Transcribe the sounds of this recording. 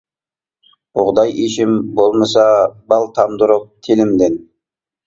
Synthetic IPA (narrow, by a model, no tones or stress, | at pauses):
ʊʁd̪ɑjeʃɪmbolˠməsɑbɑlˠt̪ʰɑmd̪ʊɾʊq̚t̪ʰelɪmd̪en